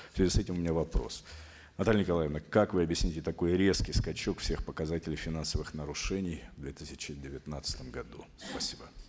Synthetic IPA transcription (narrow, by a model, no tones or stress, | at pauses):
sʲvʲɪzʲisɛtʲɪmʊmʲɪnʲavɐpɾo̞̰s | nɐt̪alʲɪnʲɪkɐlˠajəvnəkakvɨɐbʲjɪsʲnʲitʲɪt̪ɐko̞jɾʲe̞skʲɪjskɐt͡ɕo̞kfsʲe̞xpəkɐzatʲɪlʲɪjfʲɪnansəvɨxnəɾʊʂɛnʲɪjvd̪vʲet̪ɨsʲɪ̥t͡ɕɪdʲɪvʲɪt̪nat̪sə̥t̪əmɡɐd̪uspɐsʲibə